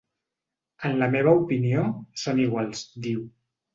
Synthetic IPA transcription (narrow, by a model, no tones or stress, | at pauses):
ənləmeβ̞əupiniosoniɣwalˠzd̪iw